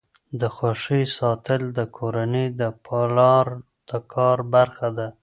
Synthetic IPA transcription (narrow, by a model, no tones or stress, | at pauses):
d̪əxwaʂisɑt̪əld̪əkʰoɾaned̪əpʰɑlɑɾ | d̪̥əkʰɑɾbaɾxad̪a